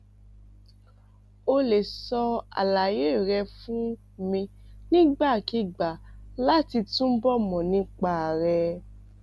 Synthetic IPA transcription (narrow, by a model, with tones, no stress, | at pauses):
o˧le˨sɔ˧a̰˨la˨je˦˨ɾɛ˧fũ˦ | mĩ˧nĩ˦ɡ͡ba˦˨ki˧ɡ͡ba˨la˦ti˧tũ˦bɔ˦mɔ̃˨nĩ˦k͡pa˦˨ɾɛ˧